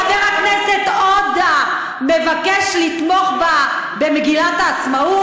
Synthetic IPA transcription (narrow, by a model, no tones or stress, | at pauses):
aneʁaknesetod̪a | mevakeʃlit̪mo̞χba | be̞meɡilataːt͡smau